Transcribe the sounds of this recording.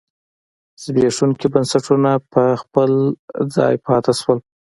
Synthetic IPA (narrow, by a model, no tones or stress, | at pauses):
z̥beʂuŋkibənsaʈunapəxpəld͡zɑ̰jpɑt̪aʃwəl